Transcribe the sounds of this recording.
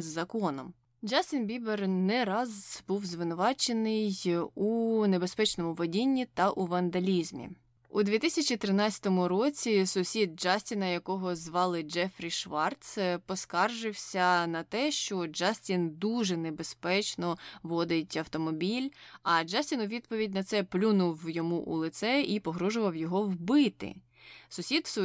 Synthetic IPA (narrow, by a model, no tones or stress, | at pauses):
zːɐkɔnɔm | d͡ʒasʲtʲinbʲibernɛɾɑzb̥uwzʋɪnʊʋɑt͡ʃenɪjune̞bespɛt͡ʃnɔmʊʋɔdʲinʲːit̪ɐʔuʋɐnd̪ɐlʲizmʲḭ | ud̪ʲʋʲit̪isʲɐt͡ʃit̪ɾɪnɑt͡sʲɐ̥t̪ɔmʊɾɔt͡sʲisʊsʲid̪̚d͡ʒɑsʲtʲinɐjɐkɔɦɔzʋɑlˠɪd͡ʒɛfɾʲiʃʋɑrt̪spɔskɑrʒɪwsʲɐnɐt̪ɛʃt͡ʃɔd͡ʒɑsʲtʲind̪uʒɛnebespɛt͡ʃnɔʋɔd̪ɪtʲɐwt̪ɔmɔbʲilʲɐd͡ʒasʲtʲinʊʋʲid̪̚pɔʋʲidʲnɐt̪sɛplʲunʊwjɔmuʔṵlˠɪt̪sɛipɔɦɾɔʒʊʋɐwjɔɦɔwbɪt̪ɪ̰ | sʊsʲit̪s